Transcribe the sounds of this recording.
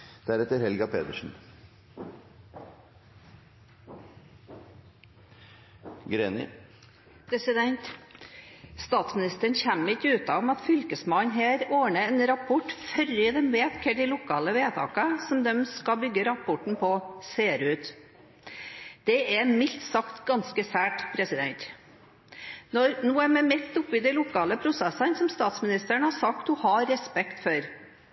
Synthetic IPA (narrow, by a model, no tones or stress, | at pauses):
d̪̥æɾɛt̪əɾhɛlɡɑpeːd̪əʂn̩ | ɡɾeːnɪ̰ | pʰɾɛsɪd̪ɛnt̪ | st̪ɑːt̪smɪnɪst̪əəɳnçæmɪt̪ʉːt̪ɑɔmɑt̪fʏlkəsmɑnɦeːɾoːɳəɛnɾɑpʰɔʈfœɾɪd̪ɛmʋeːt̪kʰəɖɪlʊkʰɑːləʋeːt̪ʰɑ̰ːkəsɔmd̪ɛmskɑbʏɡːəɾɑpʰɔʈɳ̩pʰɔseːɾʉːt̪ | d̪̥ɛɛmɪlt̪sɑkt̪ɡɑnskəsæːʈpʰɾɛsɪd̪ɛ̰nt̪ | nɔɾnuːəmɛmɛt̪ːʊpɪd̪ɛɪlʊkʰɑːləpʰɾʊsɛsənsɔmst̪ɑːt̪smɪnɪst̪əɳhɑsɑkt̪hʊhɑɾːɛspɛkt̪fɔɾ